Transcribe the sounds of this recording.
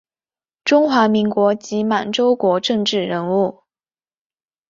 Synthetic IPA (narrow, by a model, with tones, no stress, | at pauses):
ʈ͡ʂʊ˥ŋxwa˧˥mi˧˥ŋkwɔ˧˥t͡ɕi˧˥ma˨˩nʈ͡ʂo˥ʊkwɔ˧˥ʈ͡ʂɤ˥˧ŋʈ͡ʂɻ̩˥˩ɻə˧˥nu˥˩